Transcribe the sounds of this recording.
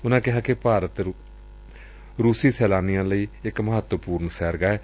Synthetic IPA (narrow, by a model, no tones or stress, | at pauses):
ʊnãːkɪɦãːkɪpaːɾət̪ | ɾuːsiːsɛːlaːnɪjãːləiːɪkməɦət̪wəpuːɾnsɛːɾɡaːɛː